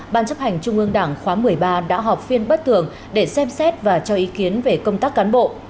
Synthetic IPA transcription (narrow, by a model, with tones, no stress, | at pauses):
ɓaː˧nt͡ɕə˦˥p̚ha˨˩jŋ̟t͡ɕʊ˧ŋ͡mʔɨ˧əŋɗaː˧˩ŋxwaː˨˦mɨ˨˩əjɓaː˧ɗa̰ː˧˥ɦɔ˨˩wk͡p̚fi˧ənɓə˦˥t̚t̪ɨ˧˩əŋ | ɗe˧˩sɛ˧msɛ˦˥t̚vaː˨˩t͡ɕɔ˧ʔi˨˦ki˨˦ənve˨˩kə˧wŋ͡mt̪aː˦˥k̚ːaː˨˦nɓo̰˧˨ʔ